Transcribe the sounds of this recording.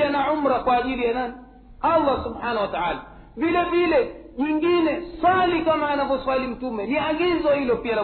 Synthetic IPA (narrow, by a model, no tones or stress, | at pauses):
anaʕum̩ɾakwaːʄilijanani | alˤːasubħanahwataʕaːla | vilɛvilɛʄiŋɡinɛswalikamaːnavɔswalim̩tumɛliaɡizɔhilɔpiala